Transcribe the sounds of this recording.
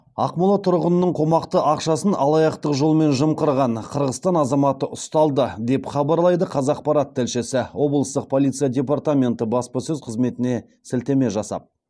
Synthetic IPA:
ɑ̰qmʊlˠɑt̪ʰʊɾʁənənəɴqʰo̞mɑqt̪əʔɑqʃɑsənɑlˠɑjɑqt̪əqʒo̞lˠme̞nʒəmqəɾʁɑɴqʰəɾʁəst̪ɑnɑzɑmɑt̪əʔʊst̪ɑlˠd̪əd̪e̞pχɑbɑɾlˠɑjd̪əqʰɑzɑq̚pɑɾat̪ʰːɪlʃɪsɪwo̞blˠəst̪əq̚pʰo̞lˠijt̪sijadʲe̞part̪amʲe̞nt̪əbɑspɑsɵzqʰəzme̞t̪ɪne̞ | sɪlt̪e̞me̞ʒɑsɑ̰p̚

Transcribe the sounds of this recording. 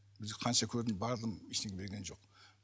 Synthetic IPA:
bɪzɡqʰɑnʃɑkʲʰɵɾd̪ɪmbɑɾd̪əmiʃt̪eɡʲebeɾɡʲe̞nʒo̞q

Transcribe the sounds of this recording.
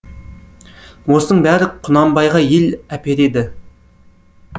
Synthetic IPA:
wosənəɴbæɾɪqʰːʊnɑmbɑjʁɑjelæpeɾed̪ɪ

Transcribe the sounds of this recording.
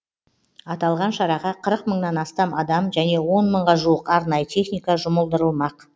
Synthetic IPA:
ɑt̪ɑlˠʁɑnʃɑɾɑʁɑqʰəɾəqməɴnɑnɑst̪ɑmɑd̪ɑmʒæne̞wo̞nməɴʁɑʒuəqɑɾnɑjət̪ʰe̞χnijkɑʒʊməlˠd̪əɾəlˠmɑq

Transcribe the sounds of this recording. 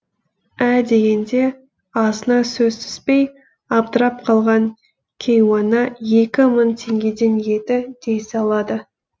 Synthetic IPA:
æd̪e̞ɡʲe̞nd̪e̞ | ɑzənɑsɵzt̪ʏ̥spe̞j | ɑbt̪əɾɑp̚qʰɑlˠʁɑŋ | kʲʰe̞jwɑnɑje̞kʲɪmənt̪ʰe̞ŋɡʲe̞d̪e̞nʒe̞t̪ɪd̪̥e̞jsɑlˠɑd̪ə

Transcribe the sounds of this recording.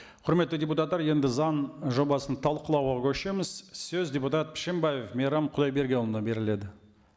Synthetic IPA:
qʰʊɾme̞t̪ːɪdʲeput̪ɑt̪ːɑɾje̞nd̪ɪzɑnʒo̞bɑsənt̪ʰɑlˠqəlˠɑwʁɑkʲʰɵʃe̞mɪz̥sɵzdʲe̞put̪at̪̚pʰɪ̥ʃembajefmʲeɾɑmqʰʊd̪ɑjbe̞ɾɡʲe̞olˠənɑbe̞ɾɪle̞d̪ɪ

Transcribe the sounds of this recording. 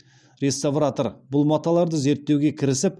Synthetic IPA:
ɾest̪avrat̪oɾbʊlˠmɑt̪ːɑlˠɑɾd̪əze̞ɾt̪ːewɡʲe̞kʲʰɪɾɪsɪp

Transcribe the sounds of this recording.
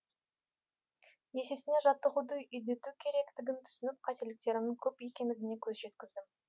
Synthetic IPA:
je̞se̞sɪne̞ʒɑt̪ːəʁud̪əjʏjd̪e̞t̪ukʲʰe̞ɾe̞kt̪ɪɡʲɪnt̪ʰʏ̥sɪnɪp̚qʰɑt̪e̞lɪk̚t̪e̞ɾɪmɪŋkʲʰɵpe̞kʲe̞nd̪ɪɡʲɪnekʲʰɵzʒe̞t̪kʲɪzd̪ɪm

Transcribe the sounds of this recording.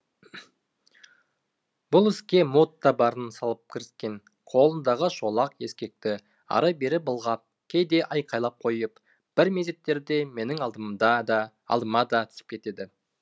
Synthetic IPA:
b̥ʊlˠɪskʲe̞mot̪ːɑbɑɾənsɑlˠəp̚kʲʰɪɾɪskʲe̞n | qʰo̞lˠənd̪ɑʁəʃo̞lˠɑqe̞skʲe̞k̚t̪ɪ | ɑ̰ɾɑbe̞ɾɪp̚bəlˠʁɑp̚ | kʲʰe̞jd̪e̞ʔɑjqʰɑjlˠɑp̚qʰo̞jəp | b̥ɪɾmeze̞t̪ːe̞ɾd̪e̞me̞nɪŋɑd̪d̪ | ɑ̰lˠd̪əmɑd̪ɑt̪ʰʏ̥sɪ̥pkʲʰe̞t̪e̞d̪ɪ

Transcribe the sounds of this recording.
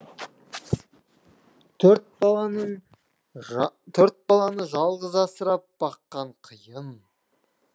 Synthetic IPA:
t̪ʰɵɾt̪̚bɑɑnəɴ | t̪ʰɵɾt̪̚bɑlˠɑnəʒɑlˠʁəzɑsəɾɑp̚b̥ɑqːɑɴqʰəjəm

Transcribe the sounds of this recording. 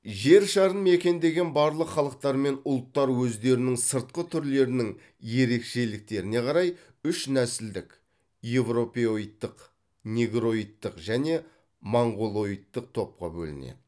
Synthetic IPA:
ʒe̞ɾʃɑɾənme̞kʲe̞nd̪e̞ɡʲe̞nbɑɾlˠəqχɑlˠəq̚t̪ɑɾme̞nʊlˠt̪ːɑɾwɵzd̪e̞ɾɪnɪŋsəɾt̪̚qət̪ʰʏɾle̞ɾɪnɪŋ | je̞ɾe̞kʃe̞lɪk̚t̪e̞ɾɪne̞qʰɑɾɑj | ʏʃnæsɪld̪ɪk | je̞vro̞pʲeoijt̪ːəq | nʲeɡɾo̞ijt̪ːəqʒæne̞ | mɑɴʁolˠo̞ijt̪ːəq̚t̪ʰo̞p̚qɑ̰bɵ̰lɪ̰nḛd̪ɪ

